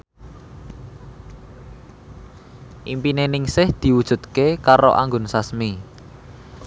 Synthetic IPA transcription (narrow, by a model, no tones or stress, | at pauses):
ʔimpinenɪŋsɪhd̪̥i̤wud̥ʒ̥ṳt̪̚kekaɾo̰ʔa̰ŋɡʊnsasmi